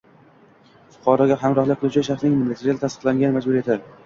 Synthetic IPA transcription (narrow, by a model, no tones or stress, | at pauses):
fʊ̥qʰɒɾɒɡʲaɦamɾɒhlɪk̚ʲqʰːɨlˠut͡ʃʰɪʃaχsnɪŋmɪlːet̪ʰeɾijalt̪ast̪ɨ̥qlˠaŋʲanɪmad͡ʒbʊɾe̞t̪ʰɪɾ